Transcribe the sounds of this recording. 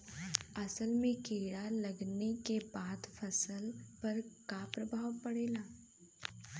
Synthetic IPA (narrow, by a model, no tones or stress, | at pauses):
ɐsəlmẽkeːɽalɐɡnekebaːd̪fʰɐsəlpɐɾkapɾəbʱaːwpɐɽeːlaː